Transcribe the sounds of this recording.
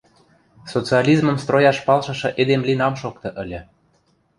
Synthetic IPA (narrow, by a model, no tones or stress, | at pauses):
sot͡siɑlʲizmə̆mst̪rojɑʃpɑlʃɤ̆ʃɤ̆ʔed̪emlinɑmʃokt̪ɤ̆ʔə̆lʲɤ̆